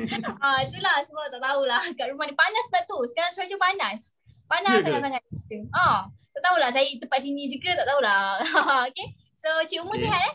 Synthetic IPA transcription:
at̪ulahsəbap̚t̪aʔt̪aulahkaʔɾumanipanasbəɾat̪ːusə̥kaɾaŋsad͡ʒupanas | panassaŋat̪̚saŋat̪̚kuat̪aʔt̪aulahs̬ajit̪əpat̪sinid͡ʒukət̪aʔt̪aulaaoke | sot͡ʃiumuseɦat̪ɛ

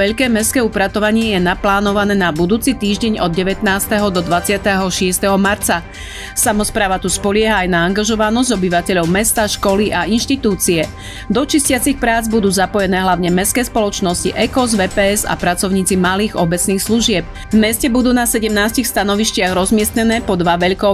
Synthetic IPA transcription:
ʋɛʎkɛːmɛskɛːupɾat̪ɔʋaɲɪɛjɛnaplaːnɔʋanɛːnabud̪uːt͡sit̪iːʒɟɛɲɔd̪̚ɟɛʋɛt̪naːst̪ɛɦɔd̪ɔd̪ʋat͡sɪat̪ɛɦɔʃɪɛst̪ɛɦɔmaɾt͡sa | samɔspɾaːʋat̪uspɔʎɪɛɦaːjnaːŋɡaʒɔʋanɔzɟɔbiʋacɛʎɔʊmɛst̪aʃkɔliʔainʃt̪it̪uːt͡siɛ | d̪ɔt͡ʃiscɪat͡sixpɾaːd͡zbud̪uːzapɔjɛnɛːɦlaʊɲɛmɛskɛːspɔlɔt͡ʃnɔsciʔɛkɔzʋɛːpɛːɛza̰pɾat͡sɔʊɲiːt͡simaliːɣɔbɛt͡sniːxsluʒɪɛp̚ | vmɛscɛbud̪uːnasɛɟɛmnaːscixst̪anɔʋiscɪaɣɾɔzmɪɛst̪ɲɛnɛːpɔd̪ʋaʋɛʎkɔ

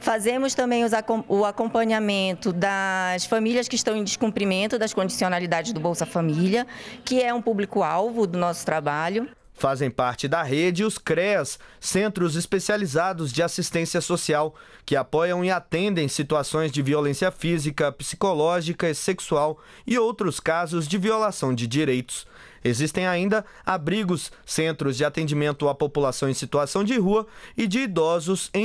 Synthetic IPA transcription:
fazẽmʊst̪ɐ̃mbẽj̃ʊzʊakõmpɐ̃ɲamẽnt̪ʊd̪ɐsfamiljɐskɪʃt̪ɐ̃w̃ẽj̃d͡ʒɪʃkũpɾimẽnt̪ʊd̪ɐskõd͡ʒisionalid̪ad͡ʒɪzd̪ʊbowsɐfamiljɐkɪɛũpublikʊawvʊd̪ʊnɔsʊ̥t̪ɾabaʎʊ | fazẽj̃paɾt͡ʃɪd̪ɐɦed͡ʒɪʊskɾɛsːẽnt̪ɾʊzɪspesializad̪ʊzd͡ʒɪasist̪ẽsiɐsosiaw | kɪapɔjɐ̃w̃iat̪ẽnd̪ẽj̃sit̪uasõj̃zd͡ʒɪviolẽsiɐfizikɐpi̥si̥kolɔʒikɐɪseksuaw | ɪowt̪ɾʊskazʊzd͡ʒɪviolasɐ̃w̃d͡ʒɪd͡ʒiɾejt̪ʊ̥s | ezist̪ẽj̃aĩnd̪ɐ | abɾiɡʊsːẽnt̪ɾʊzd͡ʒɪat̪ẽnd͡ʒimẽnt̪ʊapopulasɐ̃w̃ẽsit̪uasɐ̃w̃d͡ʒɪɦuɐɪd͡ʒɪːd̪ɔzʊsẽ

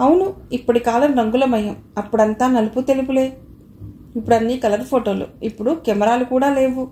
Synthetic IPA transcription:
ɐwunuipːɐʈikaːlɐmɾɐŋɡulɐmɐjɐm | ɐpːuɽɐnt̪aːnɐluput̪e̞lip̬uleː | ipːuɽɐnːiːkɐlɐɾpʰoːʈo̞ːlṵipːuɽukɛmɐɾaːlukuːɽaːle̞ːʋu

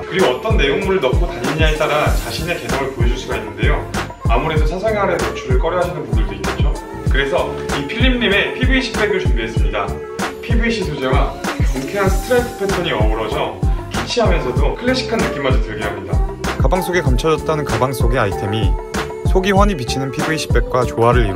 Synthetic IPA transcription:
kɯɾiɡoʌt͈ʌnːe̞joŋmuɾɯɭnʌkʰotaɲiɲaet͈aɾat͡ɕaɕʰine̞ke̞sʰʌŋɯɭpojed͡ʑuɭs͈uɡainːɯnde̞jo | amuɾe̞dosʰasʰaŋeɦaɾensʰʌt͡ɕʰuɾɯɭk͈ʌɾjʌɦaɕʰʌdɯnpundɯɭdoik͈et̚t͡ɕ͈o | kɯɾe̞sʰʌipʰiɭːimɲime̞pʰibiiɕʰipʰe̞ɡjuɭt͡ɕombies͈ɯmɲida | pʰibɯiɕʰisʰod͡ʑeɡakʌŋkʰeɦansʰɯ̥tʰɯɾetʰɯ̥pʰetʰʌɲiʌuɾʌd͡ʑʰʌkit͡ɕʰiɦamjʌnsʰʌdokʰɯɭːeɕ͈ʰi̥kʰanːɯk͈imːad͡ʑitɯɭɡiɦamɲida̰kabaŋs͈oɡe̞kamt͡ɕʰʌd͡ʑʌt̚t͈anɯnkabaŋs͈oɡe̞aitʰe̞mi | sʰoɡiɸwaɲipit͡ɕʰinɯnpʰibɯiɕʰi̥p͈e̞k̚k͈wat͡ɕoɦaɾɯɾḭ

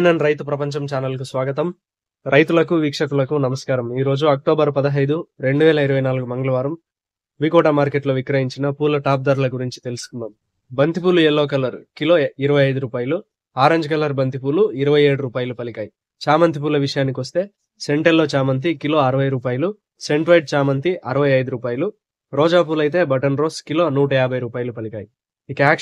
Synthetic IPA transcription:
nɐnɾɐjt̪upɾɐpɐɲt͡ʃɐmt͡ʃaːnɐlkusʋaːɡɐt̪ɐm | ɾɐjt̪ulɐkuʋiːkʂɐkulɐkunɐmɐskaːɾɐmiːɾo̞ːd͡ʒuɐk̚ʈoːbɐɾpɐd̪ɐɦɐjd̪uɾe̞ɳɖuʋɛːlɐiɾɐʋɐjnaːluɡumɐŋɡɐlɐʋaːɾɐm | ʋikɔːʈamaːɾke̞ʈloːʋikɾɐɦiɲt͡ʃinɐpuːlɐʈaːp̚d̪ɐːɾulɐɡuɾiɲt͡ʃi̥t̪e̞lusu̥kund̪aːm | bɐnt̪ip̬uːluelːoːkɐlːɐɾukiloːiɾɐʋɐjɐjd̪uɾuːpaːjɐlu | aːɾɐɲd͡ʒɐkɐlɐɾbɐnt̪ipuːluiɾɐʋɐje̞ːɽuɾuːpaːjɐlupɐlikaːji | t͡ʃaːmɐnt̪ipuːlɐʋiʂɐjaːnikiʋɐst̪e̞ː | se̞ɳʈɐɾlo̞ːt͡ʃaːmɐnt̪̬ikilo̞ːɐɾɐʋɐjɾuːpaːjɐlu | se̞ɳʈfʰɐjʈ̚t͡ʃaːmɐnt̪iʔɐɾɐʋɐjɐjd̪uɾuːpaːjɐlu | ɾɔːd͡ʒaːp̬uːlɐjt̪̬e̞ːbɐʈɐnɾoːskilo̞ːnuːʈɐjaːbʱɐjɾuːpaːjɐlupɐlikaːji | ikɐaːk

